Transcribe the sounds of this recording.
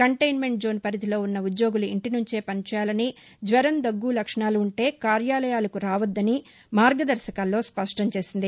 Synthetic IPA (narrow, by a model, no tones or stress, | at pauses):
kɐɳʈɐjnme̞ɳʈ̚d͡ʒo̞ːnpɐɾit̪ilo̞ːunːɐud̪jo̞ːɡuluḭɳʈinuɲt͡ʃe̞ːpɐnt͡ʃaːlɐni | d͡ʒʋɐɾɐnd̪ɐɡːuːlɐkʂɐɳaːluːɳʈe̞ːkaːɾjaːlɐjaːlɐkuɾaːʋɐd̪ːɐni | maːɾɡɐd̪ɐɾʃɐkaːlːo̞ːspɐʂʈɐɲt͡ʃe̞ːsind̪i